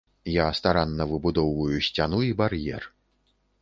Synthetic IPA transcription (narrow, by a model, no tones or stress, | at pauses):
jast̪aɾanːɐvɨbud̪ɔwvɐjusʲt͡sʲanuibarjɛ̰r